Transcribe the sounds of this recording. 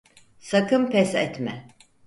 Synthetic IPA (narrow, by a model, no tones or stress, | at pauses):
sakʰɯmpʰɛsɛt̪mɛ